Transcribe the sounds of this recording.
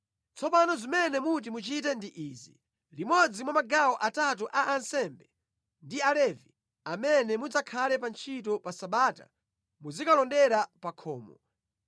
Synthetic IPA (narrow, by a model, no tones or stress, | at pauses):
t͡sʰɔpanɔzimɛnɛmut̬imut͡ʃitɛndiʔiːzi | limɔd͡zimwamaɡawɔʔatat̬uʔaʔansɛmbɛ | ndialɛvi | amɛnɛmud͡zakʰalɛpant͡ʃʰit̬ɔpasaɓaːta̰ | muzikalɔndɛɾapakʰɔ̰ːmɔ